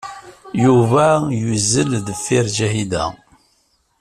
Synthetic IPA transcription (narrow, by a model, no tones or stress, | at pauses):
juvæjuzːəlðəfːiɾd͡ʒæhid̪æ̰